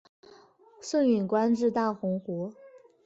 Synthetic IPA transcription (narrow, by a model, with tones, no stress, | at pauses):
swə˥˩ny˨˩nkwa˥nʈ͡ʂɻ̩˥˧t̪a˥˩xʊ˧˥ŋxwɔ˧˥